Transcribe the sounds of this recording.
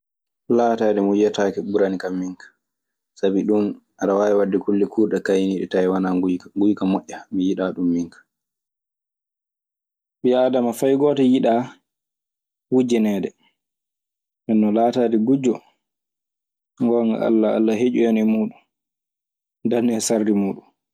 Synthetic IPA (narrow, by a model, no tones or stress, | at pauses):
laːtaːdɛmujatakɛɓuɾanikamːiŋkḁ | sabiɗunʔaɗawaːwɛwadːɛkulːikuːɗɛkajniɗɛ̰tajwanaɡujkamɔʔːamijiɗaːɗumːiŋkḁ | ɓiaːdamafajɡɔːtɛjiɗa | wud͡ʒɛnɛːdɛ | nɛnːɔlaːtaːdiɡud͡ʒɔ | ŋɡɔŋɡa̰ʔa̰lːaa̰lːaɦed͡ʒuɛnɛmuːɗun | ndanɛsardimuːɗun